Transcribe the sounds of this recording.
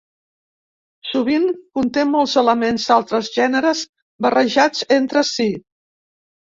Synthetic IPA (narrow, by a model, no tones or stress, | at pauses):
suβ̞iŋkunt̪emɔlˠzələmenzalˠt̪ɾəzʒɛnəɾəz | bərəʒad͡zent̪ɾəsi